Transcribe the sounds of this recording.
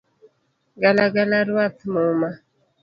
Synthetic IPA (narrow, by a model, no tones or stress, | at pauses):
ɡalaɡalaɾwat̪moma